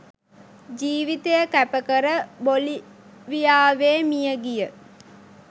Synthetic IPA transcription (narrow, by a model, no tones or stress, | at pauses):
d͡ʒiːʋit̪ejəkæpəkəɾəboli | ʋijaːʋeːmijəɡijə